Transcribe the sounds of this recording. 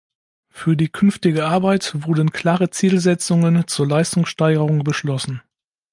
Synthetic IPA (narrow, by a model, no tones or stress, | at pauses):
fyːɐdiːkʰʏnftɪɡəʔaɐbaɪtvʊɐdn̩kʰl̥aːʁət͡siːlzɛt͡sʊŋənt͡suːɐlaɪstʊŋsʃtaɪɡəʁʊŋbəʃlɔsn̩